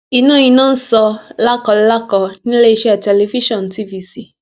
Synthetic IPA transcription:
i˨˧nũ˦˨jĩ˧nãː˦n̩˦sɔ˧la˦kɔ˧lla˦kɔ˧nĩ˦le˦i˧ʃɛ˦˨tɛ˧le˧fi˦ʃɔ̃˦˨n˨ti˦vi˧si˦˨

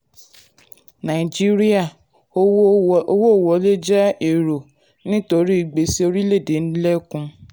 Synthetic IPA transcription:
nã˨i˨d͡ʒi˦ɾi˦a˦˨ | o˦o˧wo˦o˦˨wɔ˨˦le˦d͡ʒɛ˦e˨ɾo˨ | nĩ˦to˧ɾi˦i˦˨ɡ͡be˨˦si˦o˧ɾi˦le˦˨de˨˦n̩˦lɛ˦kũ˧˦

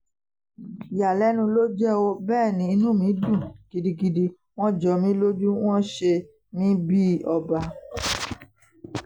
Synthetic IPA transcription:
ja˨lɛ˨˦nũ˧lo˦d͡ʒɛ˦o˦bɛː˦˨nĩ˨˧i˧nũ˦mĩ˨˦dũ˦˨ɡ̥i˨˧di˧ɡi˧di˧ | w̃ɔ̃˦d͡ʒɔ˧mĩ˦lo˦d͡ʒu˦w̃ɔ̃˦ʃe˧ | mĩ˦bi˦ɔ˧ba˧

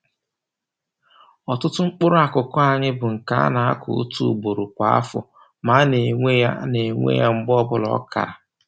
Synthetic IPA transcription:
ɔ˨tʊ˦tʊ˦ŋ͡m̩˦k͡pʊ˦ɾʊ˦a˨kʊ˨kɔ˦a˨ɲɪ˦bʊ˨ŋ̩˨ka̰˦a̰˦na˨a̰˦kʰʊ̰˨ṵ˦tṵ˦˨ɡ͡bo˨ɾʊ˨kʷa˨˦a̰˦fʊ̰˨ | ma˨˦ne˨ŋʷe˦ja˦ne˨ŋʷḛ˦ja˦ŋ͡m̩˦bɔ˦bʊ˦lɔ̰˨˦ka̰˨ɾa˨

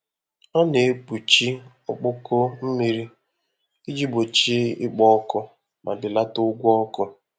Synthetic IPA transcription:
ɔ˦ne˨e˦k͡pu˨t͡ʃi˦ | ɔ˦k͡pʊ˦ko˦m̩˦mi˨ɾi˦ | i˦d͡ʒi˦bo˨t͡ʃi˦ɪ̰˦k͡pɔ˦kʊ˦ | mʔa̰˨dɪ˨la˦tʊ˦ɡʷɔ˦kʊ˦

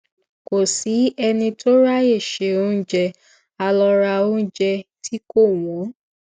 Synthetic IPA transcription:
ko˨si˨˦ɛ˧nĩ˧to˦ɾa˦e˦˨ʃe˨o˦d͡ʒɛ˧ | a˧lɔ˧ɾa˧o˦n̩˦d͡ʒɛ˧tʰi˦ko˦˨w̃ɔ̃˨˦

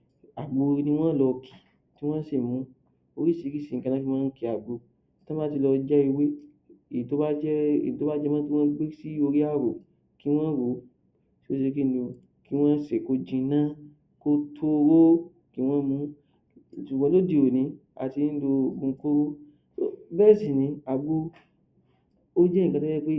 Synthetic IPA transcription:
a˨ɡ͡bo˨˧nĩ˧w̃ɔ̃˦lɔ˧kʰi̥˨ | ti˦w̃ɔ̃˦si˦˨mũ˨˦ | o˧ɾi˦si˧ɾi˦si˨kã˧ã˦ki˦w̃ɔ̃˦n̩˦ki˧˨a˨ɡ͡bo˧˦ | tã˦a˦ti˧lɔ˧d͡ʒɛ˦i˧we˦ | i˨to˦ba˦d͡ʒɛ˦ḛ˨ĩ˨to˦ba˦d͡ʒɛ˦mã˦ti˦w̃ɔ̃˦ɡ͡be˦si˦o˧ɾi˦a˦˨ɾo˨ | ki˦w̃ɔ̃˦ɾo˨˦ | si˦o˧se˧ki˦do˧ | ki˦w̃ɔ̃˦se˨ko˧d͡ʒĩ˧nã˦ | ko˧tʰo˧ɾo˦ | ki˦w̃ɔ̃˦mũ˧˦ | ʃu˨ɡ͡bã˧˦lo˦di˧˨o˨nĩ˨˦ | a̰˨ti˧˦do˧˨ɡũ˧˦ko˦ɾo˦ | so̰˦bɛ˦˨sĩ˨nĩ˨˧˦a˨ɡ͡bo˧ | o˦d͡ʒɛ˦ĩ˦˨kã˧to˦d͡ʒɛ˦k͡pe˦

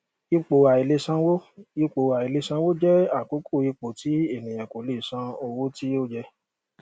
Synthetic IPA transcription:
i˧k͡po˨a˨i˨le˧sã˧wo˦i˧k͡po˨a˨i˨le˧sã˧wo˦d͡ʒɛ˦a˦˨ko˨˦kʰo˦˨i˧k͡po˨ti˨˦e˦˨nĩ˨j̃ã˨ko˨li˦˨sã˧o˧wo˦ti˦o˦˨d͡ʒɛ˧

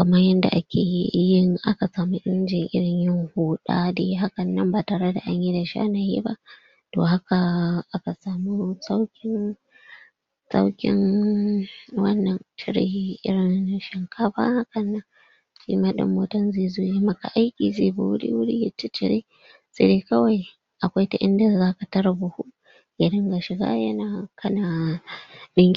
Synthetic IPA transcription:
kɐ˨mɐ˦jɐ˦nda̰˨ʔa˦kʲʰeː˨jɪ˦ŋʔa˦ka˨saː˨mu˦ʔɪ˦ɾɪ˦nd͡ʒɪ˨ʔɪ̰˦ɽɪ˨ɲjɪ˦ŋhoː˦ɗa̰ː˦deː˦ɦa˦kɐ˨nːɐ˦mbaː˨taː˨ɽe˦da˨ʔa˦ɲji˦da˨ʃa̰ː˦na˨jḛ˦ba˦ʔ | toː˨ɦa˦ka˨ʔa˦ka˨saː˨mu˦sa˦wkʲɪ˦n | sa̰˦wkʲɪ̰˦ŋ | wɐ˦nːɐ˨nʃɪ˦ɽḛ˨hi˦ʔɪ̰˦ɽɪ˨nʃɐ˨ŋkʰaː˦ba̰˦ha˦kɐ˨nːa˦ | ʃḭ˦maː˦ɗɪ̰˨mːoː˦tɐ˦nzeː˦˨zo˦ja˦mɐ˦ka̰˨ʔa˦jkʲiː˨zeː˦bu˨wʊ˦ɽḭ˦wʊ˦ɽḭ˦jɪ˨t͡ʃːɪ˦t͡ʃɪ˨ɽe˦ | se˨de˦kɐ˦wa˨j | ʔa˨kʷa˦jta˨ʔɪ̰˦nda˨zaː˦ka˨tɐ˦ɾa˨bʊ˨hu˦ | ja˨ɽɪ˦ŋɡa˨ʃɪ˨ɡa̰˦jɐ˦naː˨kʰɐ˦na˨ | ɗɪ˦ŋkʲ

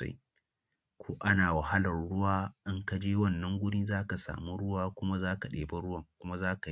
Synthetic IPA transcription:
a̰˦j | kʷʰoː˦ʔa˦naː˨wa˨ha˦lɐ˨rɽʊ˦waː˦ʔɪ˦ŋka˦d͡ʒeː˦wɐ˦˨nːɐ˦ŋɡʷʊ˦ɽiː˦zaː˦ka˨sa̰ː˨mu˦ɽʊ˦waː˦kʷʊ˦ma˦zaː˦ka˨ɗeː˨bɐ˦ɽʊ˦wɐ˨ŋkʷʊ˦ma˦zaː˦ka˨˦

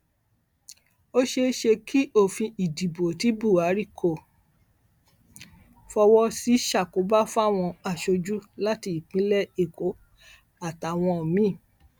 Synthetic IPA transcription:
o˦ʃe˧ʃe˧kʰi˦o˦˨fĩ˧i˨di˨bo˨ti˨˦bu˦˨a˨˦ɾi˦˨kʰo˦˨ | fɔ˧wɔ˦si˨˦ʃa˦˨ko˨˦ba˦fa˦˨w̃ɔ̃˧a˨ʃo˧d͡ʒu˦la˦ti˧i˨k͡pĩ˨˦lɛ˦˨e˦˨ko˨˦ | a˨ta˨w̃ɔ̃˧ɔ˨mĩ˦˨

